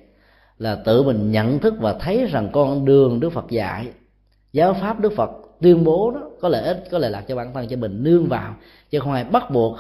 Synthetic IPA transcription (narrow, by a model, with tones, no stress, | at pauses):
laː˨˩t̪ɨ̰˧˨mï˨˩ŋ̟ɲə̰˧˨nt̪ʰɨ˦˥k̚vaː˨˩t̪ʰə˨˦jza˨˩ŋkɔ˧nɗɨ˨˩əŋɗɨ˦˥ək̚fə˨˩t̚za̰ː˧˨j | zaː˨˦wfaː˦˥p̚ɗɨ˦˥ək̚fə˨˩t̚t̪wi˧ənɓo˨˦nɔ˨˦kɔ˨˦le˧˩ʔi˦˥t̚kɔ˨˦lḛ˧˩laː˨˩t͡ɕɔ˧ɓaː˧˩nt̪ʰə˧nt͡ɕɔ˧mï˨˩ŋ̟nɨ˧əŋvaː˨˩w | t͡ɕɨ˧˦xə˧wŋ͡mʔaː˧jɓa˦˥t̚ɓu˨˩ək̚